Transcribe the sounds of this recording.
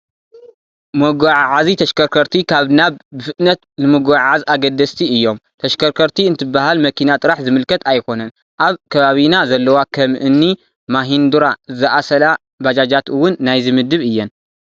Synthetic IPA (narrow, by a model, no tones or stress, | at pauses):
mɐɡʷaʕʕazit̪ʰɐʃkʰɐɾkʰɐɾt̪ʰikʰaβnaβːɨfɨt̪nɐt̪nɨmɐɡaʕazaɡɐd̪ːɐst̪ʰiɨjːo̞mt̪ʰɐʃkʰɐɾkʰɐɾt̪ʰiɨnt̪ʰɨbːaɦalmɐkʰinat̪ʼɨɾaħzɨmɨlkʰɐt̪ʰajko̞nɐn | ʔaβkʰɐβaβinazɐlːɐwakʰɐmʔɨnːi | maɦind̪uɾazɨʔasɐla | bad͡ʒad͡ʒat̪ɨwʊnːajzɨmɨd̪ɨβɨjːɛn